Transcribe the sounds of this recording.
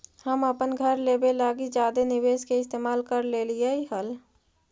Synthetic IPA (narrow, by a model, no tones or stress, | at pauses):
həməpənɡʱəɾleːbelaːɡid͡ʒaːd̪enɪʋeːskeɪst̪eːmaːlkəɾlelijeiɦəl